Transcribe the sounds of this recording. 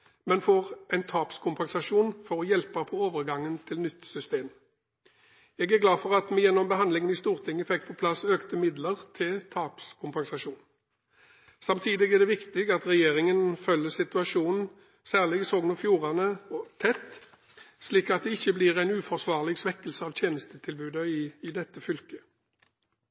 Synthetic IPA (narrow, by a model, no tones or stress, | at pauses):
mɛnfɔʁɛnt̪ʰɑːpskʰʊmpɛnsɑʂuːnfɔʁɔjɛlpɑpʰɔoːʋəʁɡɑŋːənt̪ʰɪlnʏt̪ːsʏst̪eːm | jɛːɡæʁɡlɑːdfɔʁɑt̪mɛjɛnːɔmbəɦɑnd̪lɪŋənɪst̪uːʁt̪ʰɪŋːəfɛkːpʰɔpʰlɑsːøːkt̪əmɪd̪ləʁt̪ʰɪlt̪ʰɑːpskʰʊmpɛnsɑʃuːn | sɑmt̪ʰiːd̪ɪɡæʁd̪ɛʋɪkt̪ɪɡɑt̪ʁɛjeːʁɪŋənfœlːəsɪt̪ʉɑʂuːnn̩ | sæːʁlɪɡsoːɡnɔfjuːʁɑnəɔt̪ʰɛt̪ː | sliːkɑt̪̚d̪ɛɪçːəblɪːʁæɪnʉːfɔʁsʋɑːʁlɪɡsʋɛkːəlsəɑːʋt̪ʰjeːnəst̪ət̪ʰɪlbʉːd̪əɪd̪ɛt̪ːəfʏlkə